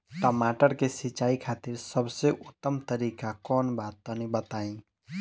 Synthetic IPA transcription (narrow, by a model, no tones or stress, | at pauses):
t̪əmaʈəɾkesɪt͡ʃaːikʰaːt̪iɾsəbseʔʊt̪ːəmt̪əɾiːkakɔːnbaːt̪ːɔnibət̪aĩ